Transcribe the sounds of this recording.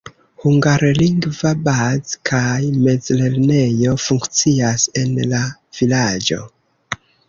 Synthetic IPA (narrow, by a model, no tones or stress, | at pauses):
huŋɡaɾliŋɡvabaz̥kʰajme̞d͡zle̞ɾne̞jo̞fuŋkt͡siase̞nlav̥ilad͡ʒo̞̰